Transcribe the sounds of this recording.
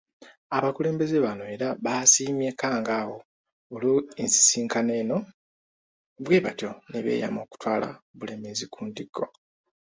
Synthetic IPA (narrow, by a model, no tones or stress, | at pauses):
aβakule̞ːmbe̞zeβano̞e̞ːɾaβaːsiːmjekaːŋɡaːwo̞ | oloensi̥siːŋkane̞ːno̞ | βwe̞ːβatjo̞neβḛja̰mo̞ːku̥twaːla̰βulemizikʰuːndiɡːo̞